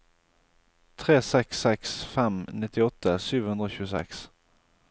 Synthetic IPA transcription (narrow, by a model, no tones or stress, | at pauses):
t̪ʰʁeːsɛksɛksfɛmnɪt̪ɪɔt̪əsyːʋhʉnd̪ɾoːçʉːəsɛ̰ks